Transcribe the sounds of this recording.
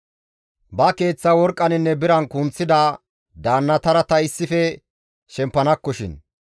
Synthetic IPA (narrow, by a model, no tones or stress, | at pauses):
bɐke̞ːt͡sːɐwɔɾkʼːɐnɪnːɛbɪɾɐnkʊnt͡sːɪd̪a | d̪aːnːɐt̪ɐɾɐt̪ɐɪsːɪfɛ | ʃɛmpːɐnɐkːɔʃɪ̰n